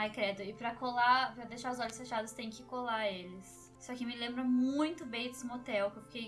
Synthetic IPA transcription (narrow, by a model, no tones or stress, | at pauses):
ajkɾɛd̪ʊɪpɾɐkolapɾɐd̪ejʃaɾʊzɔʎʊsfeʃad̪ʊst̪ẽj̃ʊ̃kɪkolaelɪs | sɔkɪmɪlẽmbɾɐmũj̃t̪ʊbẽj̃d̪ɪsɪmot̪ɛwkewfi̥kej